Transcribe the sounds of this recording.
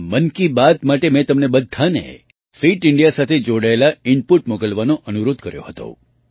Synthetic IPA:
mənkibat̪maʈemɛt̪əmnebəd̪ʱːanḛ | fiʈɪɳɖijasat̪ʰed͡ʒoɽaelaɪnpuʈmokəlʋanõʔənuɾod̪ʱkəɾjo̰ɦət̪o̰

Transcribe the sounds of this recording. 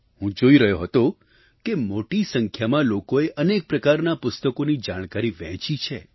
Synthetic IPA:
ɦũd͡ʒoiɾəɦjoɦət̪o | kemoʈisəŋkʰjamãlokoeʔənek̚pɾəkaɾnapʊst̪əkonid͡ʒaɽ̃kaɾiʋɛ̰̃ɦt͡ʃit͡ʃʰḛ

